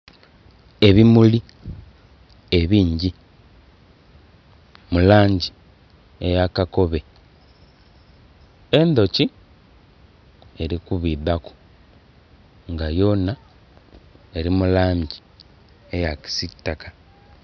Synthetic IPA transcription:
e̞βimuli | e̞βiːɲɟi | mulaːɲɟi | ḛjakako̞βe̞ | e̞nd̪o̞ci | e̞ɾikuβiːðaku̥ | ŋɡajo̞na | e̞ɾimulaːɲɟi | ejaci̥sitːaka

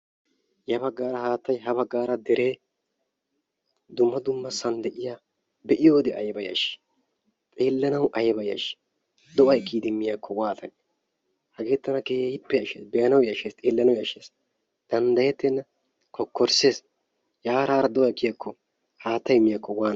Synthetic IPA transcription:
jɐbɐɡːaːɾɐhaːt̪ːɐjɦɐbɐɡːaːɾɐd̪ɛɾe̞ː | d̪ʊmːɐd̪ʊmːɐsɐnd̪ɛʔɪja | bɛʔɪjo̞ːd̪ɛʔɐ̰jbɐjɐ̰ʃ | t̪ʼeːlːɐnɐwʔɐjbɐjɐ̰ʃ | d̪ɔʔɐjkiːd̪ɪmːɪjakːɔwaːt̪ɐnɛ | hɐɡe̞ːt̪ːɐnɐkeːhehɪpːɛjɐʃḛːsbɛjɐnɐwjɐʃeːst̪ʼeːlːɐnɐwjɐʃeːs | d̪̥ɐnd̪ɐjɛt̪ːɛnːɐ | kʰɔkːɔɾse̞ːs | jaːɾaːɾɐd̪ɔʔɐjkɪjakʰːɔ | haːt̪ːɐjmːɪjakːɔwaːn

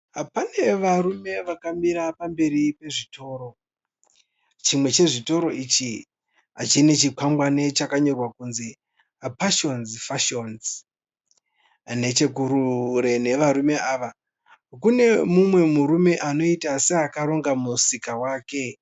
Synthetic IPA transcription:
ɦapane̞ʋarume̞ʋakamiɾapambe̞ɾipe̞ʐitʰo̞ːɾo̞ | t͡ʃimwe̞t͡ʃe̞ʐito̞ɾo̞it͡ʃi | at͡ʃine̞t͡ʃikwamɡwanet͡ʃakaɲo̞rwakunzi | apaʃo̞nzfaʃonz | ne̞t͡ʃe̞kuɾuɾe̞ne̞ʋaɾume̞aːʋa | kune̞mumwe̞muɾume̞ʔano̞itaseakaɾo̞ŋɡamusikawaːke̞

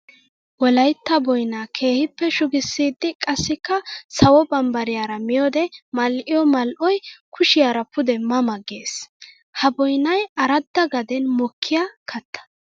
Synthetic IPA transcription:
wɔlɐjt̪ːɐbɔjnakʰe̞ːhɪpːɛʃʊɡɪsːiːd̪ːɪkʼɐsːɪkːɐsɐwɔbɐmbɐɾɪjaːɾɐmɪjoːd̪ɛmɐlʔɪjɔmɐlʔɔjkʰʊʃɪjaːɾɐpʊd̪ɛmɐmɐɡeːs | hɐbɔjnɐjɐɾɐd̪ːɐɡɐd̪ɛnmɔkʰːɪjakʰɐt̪ʰːɐ̥

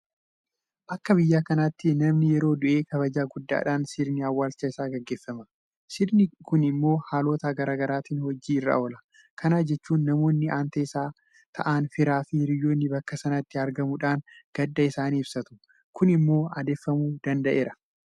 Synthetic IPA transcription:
ʔɐkːɐbɪjːaːkɐnat̪ːɪnɐmnɪjɛɾo̞ːd̪ʊʔe̞ːkɐβɐd͡ʒaːɡʊd̪ːa̰ːᶑaːnsɪɾnɪɐwːaːlt͡ʃːɐɪsaːɡɛɡːe̞ːfːɐmɐ | sɪɾnɪkʊnɪmːo̞ːhaːlo̞ːt̪aːɡɐɾaːɡɐɾaːt̪iːnhɔd͡ʒːiːɪrːa̰ʔoːlɐ | kʰɐnaːd͡ʒɛt͡ʃːuːnːɐmo̞ːnːɪʔaːnt̪ɐɪsaː | t̪ʰɐ̰ʔaːnfɪɾaːfɪɾɪjːoːnːɪbɐkːɐsɐnɐt̪ːɪɐɾɡɐmʊᶑaːnɡ̥ɐd̪ːɐɪsaːniːbsɐt̪ʊ̥ | kʊnɪmːo̞ːɐd̪e̞ːfːɐmuːd̪ɐnd̪ɐʔe̞ːɾɐ̥

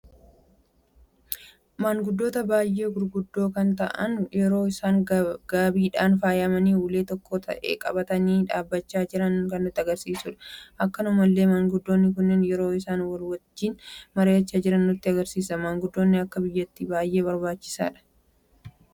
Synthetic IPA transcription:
maːŋɡʊd̪ːo̞ːt̪ɐbaːjʔe̞ːɡʊɾɡʊd̪ːo̞ːkɐnt̪ɐ̰ʔɐnjɛɾo̞ːɪsaːŋɡaːbiːᶑaːnfaːjɐmɐniːuːle̞ːt̪ɔkːoːt̪ʰɐ̰ʔe̞̰ːkʼɐbɐt̪ɐniːᶑaːbːɐt͡ʃːaːd͡ʒɪɾɐnkɐnːʊt̪ːɪɐɡɐɾsiːsʊᶑɐ̥ʔɐkːɐnʊmɐlːe̞ːmaːŋɡʊd̪ːo̞ːnːɪk̬ʊnːɪnjɛɾo̞ːɪsaːnwɐlwɐt͡ʃːiːnmɐɾeːɐt͡ʃːaːd͡ʒɪɾɐnːʊt̪ːɪɐɡɐɾsiːsɐmaːŋɡʊd̪ːoːnːɪɐkːɐbɪjːɐt̪ːibaːjʔe̞ːβɐɾbaːt͡ʃːɪ̥sa̰ːᶑɐ̥

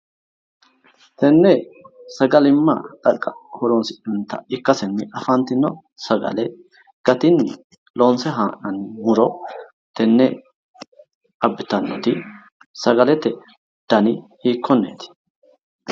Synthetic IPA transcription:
t̪ɛnːeːsɐɡɐlɪmːa̰ːt̪ʼɐkʼːɐ̥hɔɾoːnsɪᶑʊnt̪ɐ̰ɪkːɐsɛnːɪʔɐfaːnt̪ɪnːɔ | sɐɡɐ̰le | ɡ̥ɐt̪ɪnːɪ | lo̞ːnsɛɦaːnɐnmʊɾɔ | t̪ɛnːḛ | ʔɐbːɪt̪ɐnːɔt̪i | sɐɡɐlɛt̪ɛʔɛ | d̪̥ɐnihiːkʰːɔnːḛːt̪ɪ̥

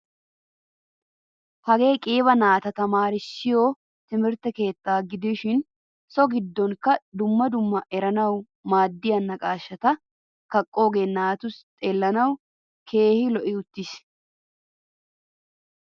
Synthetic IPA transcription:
hɐɡe̞ːkʼiːβɐnaːt̪ɐt̪ɐmaːɾɪʃːɪjoː | t̪ɪmɪɾt̪ɛke̞ːt̪ːaːɡɪd̪ɪʃɪn | sɔɡɪd̪ːɔŋkɐd̪ʊmːɐd̪ʊmːɐʔɛɾɐnɐw | maːd̪ːɪjɐnːɐkʼaːʃːɐt̪ɐ | kɐkʼːo̞ːɡenːaːt̪ʊst̪ʼeːlːɐnɐw | kʰe̞ːhɪlɔʔɪʊt̪ːɪs

